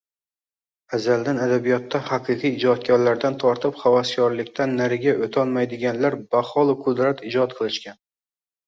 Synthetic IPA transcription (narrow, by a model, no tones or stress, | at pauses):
azald̪anad̪abijɒt̪ːahɑqʰɨqʰɨjːd͡ʒɒt̪̚kʲɒɾlaɾd̪ant̪ʰɒɾt̪ʰɪpχavaskʰʲɒɾlɪkʲt̪ʰanːaɾɪɡʲaʔot̪ʰɒlˠmajd̪ɪɡʲanlaɾbaχɒlˠɪqʰʊd̪ɾat̪ɪd͡ʒɒt̪̚qʰɨlˠɪʃkʲan